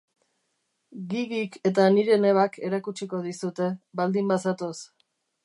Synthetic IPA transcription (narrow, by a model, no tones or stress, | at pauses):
ɡiɣike̞t̪aniɾe̞ne̞β̞akʰe̞ɾakut͡ʃiko̞ð̞isut̪e̞βald̪imbasat̪os